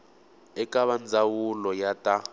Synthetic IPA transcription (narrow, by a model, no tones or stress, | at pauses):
ɛkʼaβand͡zawulɔjatʼa